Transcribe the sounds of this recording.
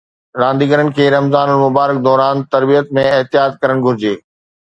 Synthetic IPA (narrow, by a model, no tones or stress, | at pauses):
ɾãːnd̪iːɡəɾənɪ̆kʰeːɾɐmzaːnənɪ̆mʊbaːɾɪk̚d̪ɔːɾaːnt̪ɐɾbijət̪mẽɪɦt̪ɪjaːt̪̚kɐɾəɽ̃̆ɡʱʊɾɪd͡ʑeː